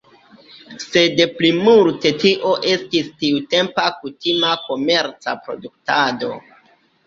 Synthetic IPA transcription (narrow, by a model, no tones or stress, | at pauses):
se̞deplimulte̞tiʔo̞ʔe̞stistiute̞mpakutimako̞me̞ɾt͡sa̰pɾo̞̰duk̚tado̞̰